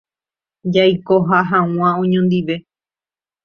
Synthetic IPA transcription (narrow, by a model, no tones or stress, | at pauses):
d͡ʒajkoɦaɦãw̃ãõɲõnd̪iʋe̞